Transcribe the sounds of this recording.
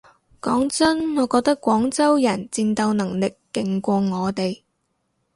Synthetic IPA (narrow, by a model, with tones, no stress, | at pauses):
kɔː˨˥ŋt͡sɐ˥nŋɔː˨˧kɔː˧k̚t̪ɐ˥kʷːwɔː˨˥ŋt͡sɐ˥wjɐ˨˩nt͡si˧nt̪ɐ˧wnɐ˨˩ŋlɪ˨kːɪ˨˧ŋkʷɔː˧ŋɔː˨˧t̪e˨j